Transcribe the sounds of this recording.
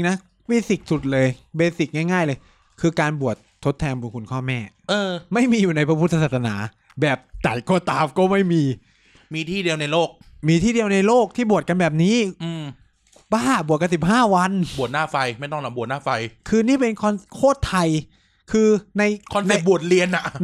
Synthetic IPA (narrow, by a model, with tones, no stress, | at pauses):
ŋna˦˥ | wiː˦˥˩si˨˩t̪̚su˨˩t̪̚lɤː˧jbeː˧si˨˩ŋaː˥˩jŋaː˥˩jlɤː˧j | kʰɯː˧kaː˧nbu˨˩ət̪ʰːo˦˥t̪ʰːɛː˧nbu˧˩nkʰu˧nkʰɔː˥˩mɛː˥˩ | ʔɤː˧ma˥˩jmiː˧juː˨˩na˧jpʰa˦˥pʰu˦˥˩t̪ʰːa˧saː˨˩sʰa˧na̰ː˩˦ | bɛː˨˩p̚t͡ɕa˨˩koː˧˩t̪aː˧p̚kɔː˥˩ma˥˩jmiː˧ | miː˧t̪ʰiː˥˩di˧əwna˧jloː˥˩k̚miː˧t̪ʰiː˥˩di˧əwna˧jloː˥˩k̚t̪ʰiː˥˩bu˨˩ət̪̚ka˧nbɛː˨˩p̚niː˦˥ʔɯː˧m | baː˥˩bu˨˩ət̪̚ka˧nsi˨˩p̚haː˥˩wa˧nbu˨˩ət̪̚naː˥˩fa˧jma˥˩jt̪ɔ˥˩ŋna˨˩bt̪̚naː˥˩fa˧jkʰɯː˧niː˥˩pe˧nkʰɔ˧nkʰoː˥˩t̪ʰːa˧j | kʰɯː˧na˧jkʰɔ˧nne˨˩p̚bu˨˩ət̪̚li˧ənʔa˨˩